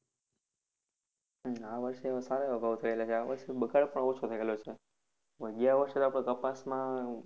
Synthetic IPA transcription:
aʋəɾʃesaɾaəɡaʋot̪ʰəelat͡ʃʰeaʋəɾʃebəɡaɽpəɳot͡ʃʰot̪ʰəelot͡ʃʰe | ʋəɡjaʋəɾʃet̪apɽ̃ekəpasmã

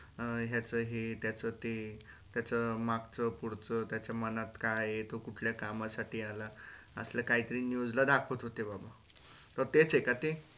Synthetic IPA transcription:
ɦjat͡səɦet̪jat͡sət̪e | t̪jat͡səmakt͡səpuɽt͡sət̪jat͡ɕjamənat̪kajet̪okuʈʰljakamasaʈiːala | ə̰sljakaɦit̪əɾiːnjud͡zlad̪akʰət̪ɦot̪ebaba | t̪əɾt̪et͡sekat̪e

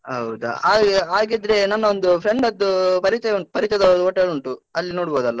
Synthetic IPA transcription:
ɦɐ̰wd̪ṵaːaːɡid̪ɾe̞nɐnːɐond̪upʰɾeɳɖɐd̪ːupɐɾiːt͡ʃːt͡ʃɛjɐuɳʈupɐɾit͡ʃːt͡ʃɐd̪ɐoʈːeluɳʈuɐlːinoːɽboːd̪ɐlːɐ

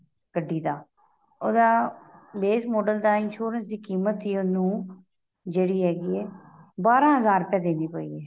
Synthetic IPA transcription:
kəɖːiːd̪aː | oːd̪aːbeːsmoːɖəld̪aːɪnʃuːɾənsd̪iːkiːmət̪iːʊnũː | d͡ʒeːɽiːɦɛːɡiːɛː | baːɾãːɦəzaːɾpɛ̃ːd̪eːniːpo̰ːḭːɛː

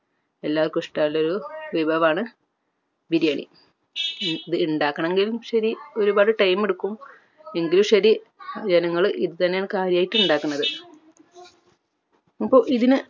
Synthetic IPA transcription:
e̞lːaːrkuʂʈaːilːo̞ɾuʋibʱɐʋaːɳɨ | biɾijaːɳḭ | iðɨuɳɖaːkːɐɳe̞ŋɡilumʂɐɾio̞ɾubaːɽɨʈɐjmeɽukːum | e̞ŋɡilumʂɐɾi | d͡ʑenɐŋːɐɭɨʔiðɨt̪ɐnːejaːɳɨkaːɾjaːjitːuɳɖaːkːunːɐðɨ | ɐpːo̞ːʔiðinɨ

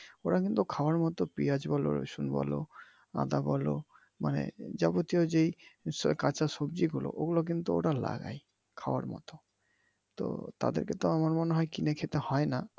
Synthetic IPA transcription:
oɾakint̪ukʰawaɾmɔt̪ɔpiad͡ʒbɔlo̰ɾo̰sunbɔ̰lo | a̰d̪abɔlo | manḛd͡ʒabot̪ijod͡ʒejkat͡ʃasobd͡ʒiɡulo̰ʔoɡulok̬int̪uoɾala̰ɡa̰j | kʰawa̰ɾmɔ̰t̪ɔ | t̪o̰t̪a̰d̪ḛɾket̪ɔamaɾmɔneɦɔekinekʰet̪ehɔjna

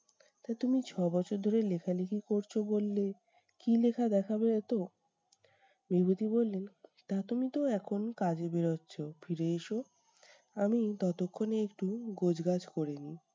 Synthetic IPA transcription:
t̪at̪umit͡ɕʰɔbɔt͡ɕʰoɾd̪ʱoɾelekʰalekʰikoɾt͡ɕʰobolːe | kilekʰad̪ɛkʰabeet̪o | mebʱut̪ibolːent̪at̪umit̪oɛkʰonkad͡ʑebeɾotːɕʰofʰiɾeeʃo | amit̪ɔt̪okʰːoneekʈuɡod͡ʑɡad͡ʑkoɾeni

